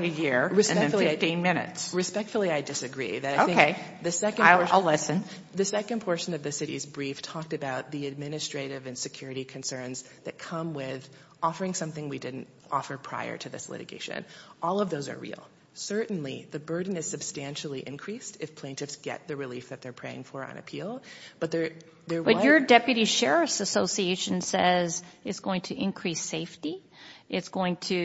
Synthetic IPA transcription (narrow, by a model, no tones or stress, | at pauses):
ɨjɪɹɹɨsɛ̃fl̩ˠiaɪtĩnmɪ̃nɨ̰tsɹɨspɛk̚tfl̩ˠiaɪdɨsɨɡɹḭðɨɾaɪoʊɪ̃ŋeɪðɨsɛknɪɹaɪlɪsɨ̃n | ðɨsɛkɨ̃npʰɔɹʃɨ̃nʌvðɨsɪɾḭzbɹiftʰɔk̚tɨbaʊt̪̚ðiɨd̚mɪ̃nɨstɹ̥eɪɾɪvɨ̃nsɨkʰj̥ʊɹɨɾikʰɨ̃n̩sɜ̃˞nz | ðɨ̰t̚kʰʌ̃mwɪð | ʔɔfə˞ɪ̃ŋsʌ̃mθɪ̃ŋwidɪdⁿn̩t | ʔɔ̰fə˞pʰɹ̥a̰ɪə̰˞ɾɨðɪ̰slɪ̰ɾɨ̰ɡḛɪʃɨ̰̃nʔɔlˠʌvðoʊzə̰˞ɹḭlˠ | sɜ˞ʔn̩lḭðɨbɜ˞dⁿn̩ɨz̥sɨb̥stæ̃nʃl̩ˠiʔɨ̰̃nkʰɹ̥istɨfpʰl̥ẽɪ̃ntʰɨfsɡ̥ɛ̰t̪̚ðɨɹɨlifðɨt̪̚ðə˞pʰɹ̥eɪɪ̰̃ŋfə˞ə̰̃nɨ̰pʰilˠb̥ʌt̪̚ðə˞ | ðə˞bʌjə˞dɛpjɨɾiʃɛɹɨsɨsoʊsieɪʃɨ̃n̩sɛzɨtsɡ̥oʊɪ̃ŋtʰɨʔɨ̃nkʰɹ̥iseɪfti | ʔɪtsɡ̥oʊɪ̃ŋtʰɨ